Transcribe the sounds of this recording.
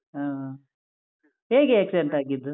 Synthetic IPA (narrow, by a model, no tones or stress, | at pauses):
aː | ɦeːɡeeksɖeɳʈaːɡid̪ːu